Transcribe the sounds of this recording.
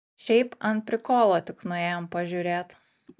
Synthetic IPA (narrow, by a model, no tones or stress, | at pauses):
ʃʲɛɪpɐnt̪pʲɾʲɪkoːlˠoːt̪ʲɪknʊjeːɛjoːmpɐʒʲuːɾʲeːt̪